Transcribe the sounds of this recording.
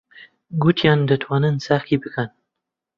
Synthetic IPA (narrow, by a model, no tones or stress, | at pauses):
ɡut̪ʰjɑːnd̪ət̪ʰwɑːnɨnsaχkibɨkʰan